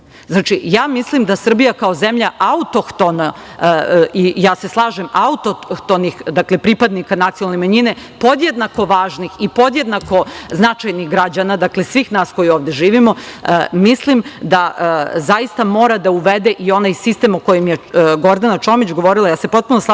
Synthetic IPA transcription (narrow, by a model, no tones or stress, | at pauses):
znaːt͡ʃijaːmislimd̪asr̩bijakao̞zemʎaʔaut̪oxt̪ona | ijaːse̞slˠaːʒemaut̪oxt̪onixd̪akle̞pɾipad̪nikanat̪ionalnemaɲine̞po̞d̪jed̪nako̞ʋaːʒnixipo̞d̪jed̪nako̞znat͡ʃajnixɡɾad͡ʑanad̪akle̞sʋiːxnaːsko̞jioːʋd̪e̞ʒiːʋimo̞mislimd̪azajist̪amo̞ːɾad̪auʋed̪eʔio̞najsist̪e̞mokojemjeɡo̞ɾd̪anat͡ʃoːmit͡ɕɡo̞ʋo̞ɾilajaːse̞po̞t̪̚punosˠa